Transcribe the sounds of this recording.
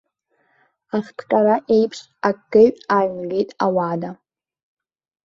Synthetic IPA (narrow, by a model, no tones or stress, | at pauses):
aχtʰqʲʼaɾaʔejpʰʂ | akɡɨɥaɥmɡejtʼawada